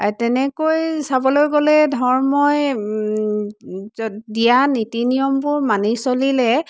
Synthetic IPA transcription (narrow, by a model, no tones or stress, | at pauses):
tɛnɛkojsabɔlojɡolɛdʱɔɹmɔj | dijanitinijɔmpʊɹmanisolilɛ